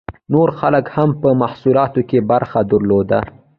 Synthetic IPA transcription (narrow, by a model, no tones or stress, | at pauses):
noɾxaləkhampəmahsulɑt̪okebaɾxad̪əɾlod̪a